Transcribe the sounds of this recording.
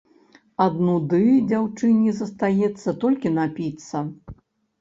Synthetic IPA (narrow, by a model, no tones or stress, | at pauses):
ɐd̪nud̪ɨd͡zʲawt͡ʂɨnʲizɐst̪ajɛt̪sːɐt̪ɔlʲkʲinapʲit̪sːɐ